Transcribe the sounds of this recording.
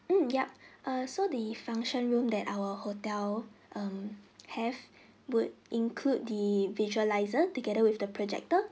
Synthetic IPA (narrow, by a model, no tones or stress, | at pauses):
m̩jɛp̚ʔʌsodəfãŋʃə̃nɹũmdɛtawəhotɛlʔʌ̃mhɛv | wudʔĩŋkʰlud̚diviʒuəlaɪzətuɡɛɾəwifdəpʰɹɔd͡ʒɛ̰k̚tə